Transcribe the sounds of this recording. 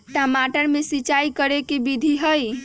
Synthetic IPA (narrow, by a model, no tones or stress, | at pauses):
ʈəmaʈəɾmesit͡ʃaikəɾekebid̪ʱiɦəj